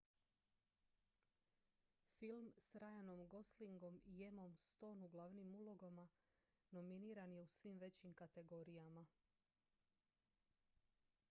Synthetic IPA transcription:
filˠmsɾajanomɡo̞sliŋɡo̞mije̞mo̞mst̪o̞ːnuɡlˠaʋnimulˠo̞ɡoma | no̞miniːɾanje̞usʋimʋe̞t͡ɕimkat̪e̞ɡo̞ɾijama

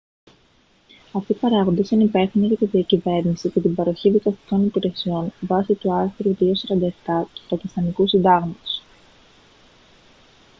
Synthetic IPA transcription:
ɐft̪ipɐɾɐɣo̞nd̪esɐnipe̞θiniʝɐt̪iðiɐcive̞ɾnisicet̪ibɐɾo̞çiðikɐst̪i̥ko̞nipiɾe̞sio̞nvɐsit̪uɐɾθɾuðio̞sɐɾɐnd̪ɐeft̪ɐt̪u̥fɾɐcist̪ɐnikusind̪ɐɣmɐt̪o̥s

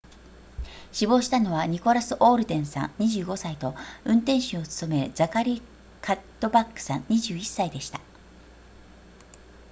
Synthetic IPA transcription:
ɕibo̞ːɕi̥t̪ano̞βaɲ̟iko̞ɾasɨʔo̞ːɾɯ̟d̪ẽ̞ɰ̃sã̰nɲiʑɨːɡo̞sait̪o̞ɯ̟̃nt̪ẽ̞ɰ̃ɕɨot͡sɨ̥t̪o̞me̞d͡zakaɾʲi | kʰat̪ːo̞bakːɯ̥sãɲɲiʑɨːisːaid̪e̞ɕi̥t̪ḁ

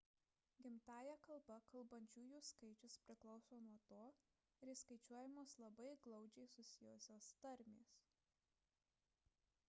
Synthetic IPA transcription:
ɡʲɪmt̪ɑːjɛkɐlˠˑbɐkɐlˠbɐnʲt͡ʃʲuːjuːskɐɪt͡ʃʲʊspʲɾʲɪklˠɒʊsoːnuɔt̪oː | ɾʲɪskɐɪt͡ʃʲuɔjɪmoːslˠɐbɐɪɡlˠɒʊd͡ʒʲɛɪsʊsʲɪjɔsʲoːst̪ɐɾʲmʲeːs

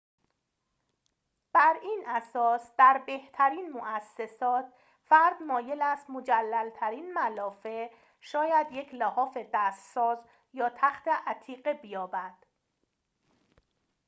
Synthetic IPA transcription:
b̥æɾiːnʔæsɒːsd̪̥æɾbe̞ht̪ʰæɾiːnmoʔæsːe̞sɒːt̪̚ʰ | fæɾd̪mɒːje̞læst̪mo̞d͡ʒælːælt̪ʰæɾiːnmælɒːfe̞ | ʃɒːjæd̪je̞cʰlæhɒːfe̞d̪æst̪sɒːz | jɒːt̪ʰæxt̪ʰe̞ʔæt̪ʰiːɢebijɒːbæd̪̥

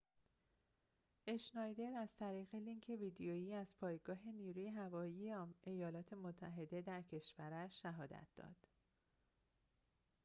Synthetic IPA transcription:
e̞ʃnɒjd̪e̞ɾæz̥t̪ʰæɾiːɣe̞liŋcʰe̞viːd̪ejojiːæzpʰɒːjeɡɒːɦe̞niːɾuːje̞ɦævɒːjiːeʔejɒːlɒːt̪ʰe̞mot̪ʰːæɦe̞d̪e̞d̪æɾcʰe̞ʃvæɾæʃːæɦɒːd̪æ̰t̪̚ʰd̪̥ɒ̰ːd̪̥

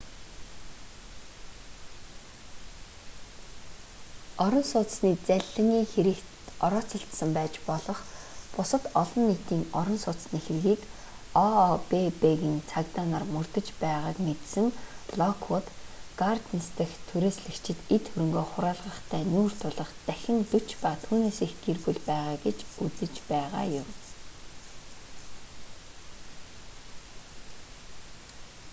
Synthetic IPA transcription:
ɔɾɞ̆nsʊːt͡s̆sniːt͡sæɮə̆ŋiːŋxeɾɘ̆k | ɔɾɔːt͡sʰə̆ɬt̪sə̆mpæːt͡ɕpɔɮɞ̆χpʊsə̆t̪ɔɮɞ̆nːit̪iːŋɔɾɞ̆nsʊːt͡s̪sniːxerɣiːk | ɔpepeɣɘ̆nt͡sʰakt̪anarmɵrt̪ɵ̆t͡ɕpæːʁaːkmet̪sɘ̆ŋɮɔkʰʊt̪ɡ̥art̪nst̪ʰə̆xt̪ʰɵɾeːsɮɘ̆kt͡ɕʰɪ̆t̪et̪xɵɾɵ̆ŋɡoːχʊɾaːɮʁə̆χt̪ʰæːnuːr̥t̪ʰʊɮə̆χt̪æxʲɪ̆nt̪ɵt͡ɕpat̪ʰuːneːseːxɡerpŭɮpæːʁaːɡet͡ɕut͡sɘ̆t͡ɕpæːʁa̰ːjʊm

